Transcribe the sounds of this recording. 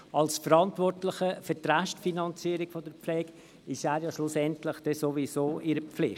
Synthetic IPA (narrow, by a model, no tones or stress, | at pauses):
ɑlsfəɾɑntvɔrtlɪχəfətɾaʃtfinɑnt͡siːɾɪɡ̥fodəɾpflɛːɡ̥ | ɪʃæːɾjɑʃlusɛntlɪχd̥ɛsovisoːʔɪɾəp͡flɪχt